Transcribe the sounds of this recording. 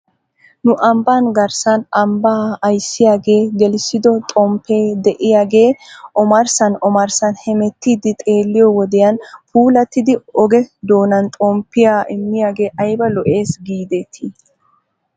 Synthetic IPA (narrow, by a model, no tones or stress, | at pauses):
nʊʔɐmbaːnɡɐɾsɐnʔɐmbaːɐjsːɪjaːɡe̞ːɡɛlsɪd̪ɔt̪ʼɔmpːe̞ːd̪ɛʔɪjaːɡe̞ːʔɔmɐɾsɐnɔmɐɾsɐnhɛmɛt̪ːiːd̪ɪt̪ʼe̞ːlːɪjɔwɔd̪ɛjɐnpuːlɐt̪ːɪd̪ɪɔɡɛd̪o̞ːnɐnt̪ʼɔmpːɪjaːʔɪmːɪjaːɡe̞ːʔɐjbɐlɔʔe̞ːsɡiːd̪et̪ʰi